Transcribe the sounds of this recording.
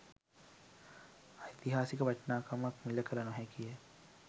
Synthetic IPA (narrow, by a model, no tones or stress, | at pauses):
ajt̪iɦaːsikəʋɐʈnaːkamakmiləkəɾanoɦɛkijə